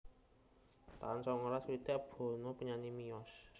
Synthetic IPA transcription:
t̪a̰nsɔŋolaswid̪̥ab̥o̤nopəɲanimiɔs

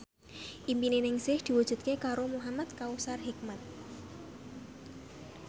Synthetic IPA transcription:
ʔimpinenɪŋsɪhd̪̥i̤wud̥ʒ̥ṳt̪̚kekaɾomuɦamat̪̚kausarɦik̚mat̪̚

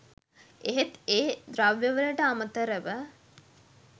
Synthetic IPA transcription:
eɦet̪eːd̪ɾaʋjəʋələʈəamət̪əɾəʋə

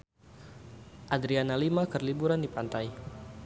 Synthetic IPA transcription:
ʔadɾianalimakərlibuɾandipant̪aj

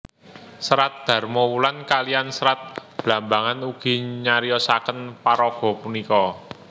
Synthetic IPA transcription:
səɾat̪̚d̪̥a̤rmɔwulankaliansəɾat̪̚b̥lambaŋanuɡ̥i̤ɲaɾijɔsakənpaɾɔɡ̥ɔ̤punikɔ

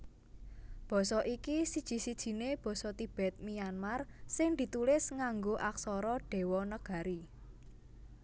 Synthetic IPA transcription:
b̥ɔ̤sɔʔikisid̥ʒ̥i̤sid̥ʒ̥i̤neb̥ɔ̤sɔt̪ib̥ɛ̤t̪̚mijanmarsɪŋd̪̥i̤t̪ulɪsŋaŋɡoʔaksɔɾɔɖ̥e̤wɔnəɡ̥ä̤ɾi

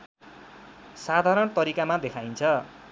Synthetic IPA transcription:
sad̪ʱaɾʌnt̪ʌɾikamad̪ekʰajnt͡sʰʌ

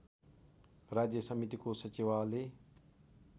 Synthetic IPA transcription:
ɾaːd͡ʒjəsəmit̪ikosət͡ʃiʋaːle

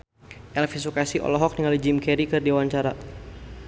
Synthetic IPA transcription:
ʔɛlfisukasiʔɔ̰lɔɦɔk̚niŋalid͡ʒimkɛɾikɨrdiwaɲt͡ʃaɾa

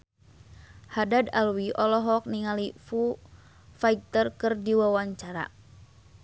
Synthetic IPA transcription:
hadadalwiʔɔlɔɦɔk̚niŋalifu | fajk̚t̪ərkɨrdiwawaɲt͡ʃaɾa̰

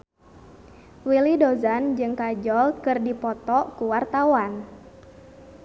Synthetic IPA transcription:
wilidɔzand͡ʒɨŋkad͡ʒɔlkɨrdipɔt̪ɔkuwart̪awan

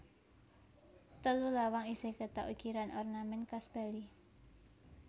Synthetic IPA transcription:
t̪əlulawaŋiseɡət̪ɔʔukiɾanɔrnamɛnkasbali

